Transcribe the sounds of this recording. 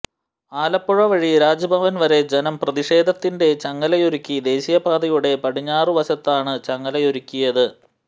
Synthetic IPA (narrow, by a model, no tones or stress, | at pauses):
aːlɐpːuɻɐʋɐɻiɾaːd͡ʑɐbʱɐʋɐnʋɐɾe̞d͡ʑenɐmprɐðiʂe̞ːd̪ʱɐt̪ːinde̞t͡ɕɐŋːɐlɐjo̞ɾukʲːid̪e̞ːɕijɐbaːd̪ɐjuɽe̞pɐɽiɲːaːrɨʋɐɕɐt̪ːaːɳɨt͡ɕɐŋːɐlɐjo̞ɾukʲːujɐðɨ